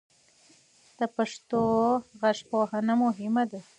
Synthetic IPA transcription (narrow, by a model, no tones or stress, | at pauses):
d̪̥əpaʂt̪oɣaʂpoɦanamʊɦɪmad̪a